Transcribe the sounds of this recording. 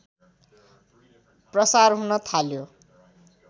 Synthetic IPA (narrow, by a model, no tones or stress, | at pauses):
prʌsarɦunʌt̪ʰaljo